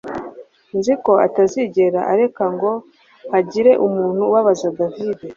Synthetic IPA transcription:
nziko̞a̰taziɟe̞ɾaʔaɾe̞kaŋɡo̞ | haɟiɾe̞ʔumuːn̥huwaβazadavide

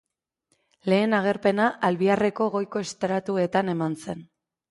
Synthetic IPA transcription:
le̞ːnaɣ̞e̞ɾpe̞naʔalβiare̞ko̞ɣo̞jko̞est̪ɾat̪ue̞t̪ane̞manse̞n

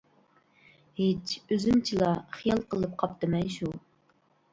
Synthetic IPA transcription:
het͡ʃʰøzymt͡ʃʰilˠɑχijɑlˠqəlˠɨp̚qʰɑp̚t̪ɨmɛnʃu

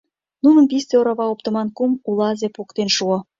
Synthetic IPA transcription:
nunə̆np̬ist̪eoɾɑβɑop̚t̪ə̆mɑnkumulˠɑzepokt̪enʃuɤ̆

